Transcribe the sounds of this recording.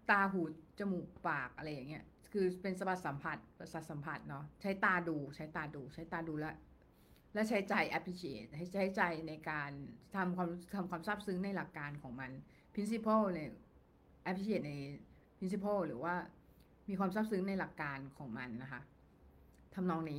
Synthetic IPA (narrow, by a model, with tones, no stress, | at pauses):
t̪aː˧ɦuː˨˩t̪̚t͡ɕa˧muː˨˩kpaː˨˩k̚ʔa˧ɾa˧jːaː˨˩ŋːi˦˥ɐ | kʰɯː˧pe˧nsa˧ba˨˩t̪̚sa˩˦mpʰa˨˩t̪̚pa˧sa˨˩t̪̚sa˩˦mpʰa˨˩t̪̚nɔ˦˥t͡ɕʰa˦˥jt̪aː˧duː˧t͡ɕʰa˦˥jt̪aː˧duː˧t͡ɕʰa˦˥jt̪aː˧duː˧˩lɛ˦˥ | lɛ˦˥t͡ɕʰa˦˥jt͡ɕa˧jʔɛ˦˥p̚ʰli˧˥t͡ɕʰeː˨˩t̪̚ha˥˩jt͡ɕt͡ɕʰa˦˥jt͡ɕaː˧jna˧jkaː˧nt̪ʰa˧mkʰwaː˧mɾkt̪ʰa˧mkwaː˧msaː˥˩p̚sɯ˦˥ŋna˧jla˨˩kːaː˧nkʰɔː˩˦ŋma˧n | pʰi˦˥nsi˧˦˥pʰoː˥˩nɯ˧˩ | ʔɛ˦˥p̚ʰli˧˥t͡ɕʰeː˨˩na˧j | pʰi˦˥ns̬i˧˦˥pʰoː˥˩wɾɯː˩˦waː˥˩ | miː˧kwaː˧msa˥˩p̚sɯ˦˥ŋna˧jla˨˩kːaː˧nkʰɔː˩˦ŋma˧nːa˦˥kʰa˦˥ʔ | t̪ʰa˧mnɔː˧˥ŋniː˦˥